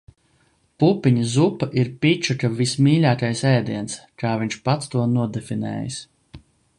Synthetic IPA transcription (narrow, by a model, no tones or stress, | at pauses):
pupiɲizupaʔiɾpʲit͡ʃukavismiːlʲaːkajsɛjd̪iɛnskaːvʲiɲʲʃpat̪st̪uɔnuɔd̪ɛfinɛ̰ːjḭs